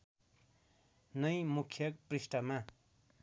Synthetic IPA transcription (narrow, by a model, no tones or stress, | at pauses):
nʌjmukʰːjʌkprisʈʌma